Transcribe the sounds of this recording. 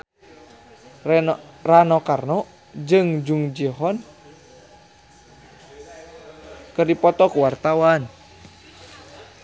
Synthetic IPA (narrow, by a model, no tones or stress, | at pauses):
ranɔkarnɔ | d͡ʒɨŋd͡ʒuŋd͡ʒiɦɔn | kərdipɔt̪ɔkuwart̪awan